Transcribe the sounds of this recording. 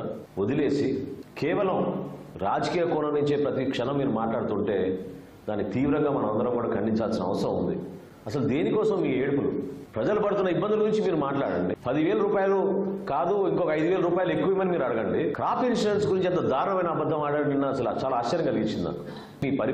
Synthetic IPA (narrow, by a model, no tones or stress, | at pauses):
od̪ile̞ːsikɛːʋɐlɐmɾaːd͡ʒɐkiːjɐkɔːnɐnuɲt͡ʃepɾɐt̪ikʂɛnɐmːiːɾumaːʈlaːɽut̪uɳʈe̞ː | d̪aːnːit̪iːʋɾɐŋɡaːmɐnɐmɐnd̪ɐɾɐmkuːɽaːkʰɐɳɖiɲt͡ʃaːlsinɐ̰ʋɐsɾɐmṵnd̪i | ɐsɐlud̪eːnikɔːsɐmːiːeːɽukulṵpɾɐd͡ʒɐlɐpɐɽut̪unːɐibːɐnd̪ulɐɡuɾiɲt͡ʃimiːɾumaːʈla̰ːɽɐ̰ɳɖipɐd̪iʋɛːlɐɾuːpaːjɐlukaːd̪uiŋkɔkɐɐjd̪uʋɛːlɐɾuːpaːjɐluekːuʋɐmɐnimiːɾɐɽɐɡɐɳɖikɾaːpinsɾɐnsɡuɾiɲt͡ʃɛnt̪ɐd̪aːɾuɳɐmɐjnɐːbɐd̪ːɐmaːɽainːaɐsɐlt͡ʃaːlaːʃt͡ʃɐɾɐŋkɐliɡit͡ʃːind̪a̰ | miːpɐɾ